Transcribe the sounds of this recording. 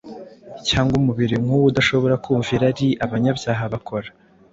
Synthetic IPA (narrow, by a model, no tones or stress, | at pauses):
caːŋɡumuβiɾiŋhuwudaʃo̞βo̞ɾakuːɱviɾaɾiʔaβaɲabjaːɦaβakʰo̞ɾḁ